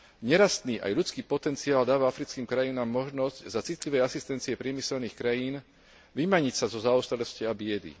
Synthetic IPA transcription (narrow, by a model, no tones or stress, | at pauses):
ɲɛɾast̪niːʔa̰jʎut͡skiːpɔt̪ɛnt͡siaːld̪aːʋaafɾit͡skiːmkɾajinaːmːɔʒnɔzczat͡sit̪liʋɛjasist̪ɛnt͡siɛpɾɪɛmisɛlniːxkɾajiːn | ʋimaɲicsazɔzaɔst̪ɾɛlɔsciabɪɛd̪ḭ